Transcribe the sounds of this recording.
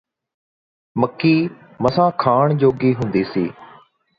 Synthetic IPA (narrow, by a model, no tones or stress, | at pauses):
məkːiː | məsãːkʰaːɳd͡ʒoːɡiːɦʊ̃ːnd̪iːsḭː